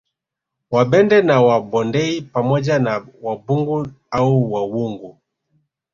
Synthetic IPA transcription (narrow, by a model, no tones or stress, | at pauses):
wabɛndɛnawabɔndɛipamɔd͡ʒanawabuŋɡu | auwawuŋɡu